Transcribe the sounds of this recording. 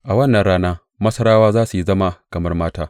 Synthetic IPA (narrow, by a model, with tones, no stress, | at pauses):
ʔa˨wɐ˦˨nːɐ˨nɽaː˦naː˦ | mɐ˦sɐ˦ɽaː˦waː˦zaː˦su˨ji˦zɐ˦ma˦kɐ˨mɐ˦rmaː˦taː˦